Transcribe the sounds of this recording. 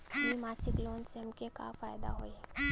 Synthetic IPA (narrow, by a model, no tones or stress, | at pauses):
imaːɾt͡ʃɪkloːnseɐmkeka̰faːjd̪a̰ɦoːi